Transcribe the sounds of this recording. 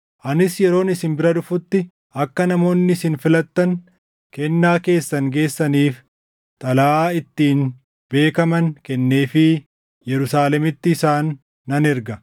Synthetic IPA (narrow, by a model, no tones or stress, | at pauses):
ʔɐnɪsjɛɾo̞ːnɪsɪnbɪɾɐᶑ̪ʊfʊt̪ːɪ | ɐkːɐnɐmo̞ːnːɪsɪnfɪlɐt̪ːɐn | kɛnːaːke̞ːsːɐŋɡe̞ːsːɐniːf | t̪ʼɐlaaːɪt̪ːiːn | be̞ːkɐmɐnkɛnːe̞ːfɪ | jɛɾʊsaːlɛmɪt̪ːɪːsaːnː | ɐnɛɾɡɐ